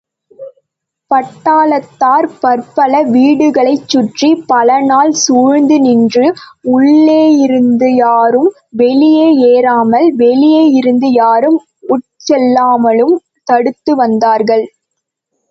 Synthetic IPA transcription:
pɐʈːaːlɐt̪ːaːɾpɐɾpɐlɐʋiːɽɯɣɐɭɐɪt͡ʃːʊʈripɐlɐnaːlsuːɻnd̪ɯnɪndrɯʊɭːeːjɪɾɯnd̪ɯjaːɾɯm | ʋɛlɪjeːeːɾaːmɐlʋɛlɪjeːjɪɾɯnd̪ɯjaːɾɯm | ʊʈ̚t͡ʃɛlːaːmɐlɯm | t̪ɐɽɯt̪ːɯʋɐnd̪aːɾɣɐɭ

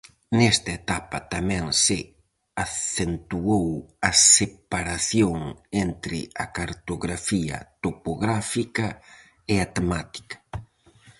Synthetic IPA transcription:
nɛst̪ɐet̪apɐt̪amɛ̃ŋsɪ | aθent̪uowɐsepaɾaθjoŋent̪ɾɪ̰ɐkaɾt̪oɣɾafiɐ̰t̪opoɣɾafikɐ | ɪat̪emat̪i̥kɐ̥

